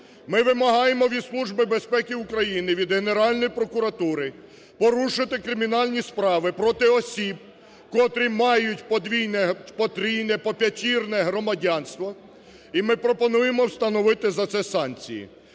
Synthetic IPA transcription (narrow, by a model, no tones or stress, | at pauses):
mɪʋɪmɐɦɑjemɔʋʲislˠuʒbɪbe̞spɛkʲiukɾɐjinɪʋʲid̪ɦene̞ɾɑlʲnɔjipɾɔkʊɾɐt̪uɾɪ | pɔɾuʃɪt̪ɪkɾɪmʲinɑlʲnʲispɾɑʋɪpɾɔt̪ɪɔsʲib̚ | kɔt̪ɾʲimɑjʊtʲpɔd̪ʋʲijnɛpɔt̪ɾʲijnɛpɔpʲɐtʲirnɛɦɾɔmɐdʲɑnst̪ʋɔ | imɪpɾɔpɔnujemɔwst̪ɐnɔʋɪt̪ɪzɐt̪sɛsɑnt͡sʲḭjḭ